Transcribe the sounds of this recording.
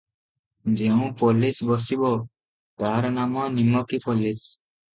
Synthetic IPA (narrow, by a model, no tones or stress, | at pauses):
d͡ʒeũpolisbɔsibɔ | t̪aɦaɾɔnamɔnimɔkipolis